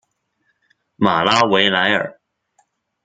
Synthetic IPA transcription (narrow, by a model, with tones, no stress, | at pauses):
ma˨˩la˥we˧˥ɪla˧˥ɪə̰˞˨˩˦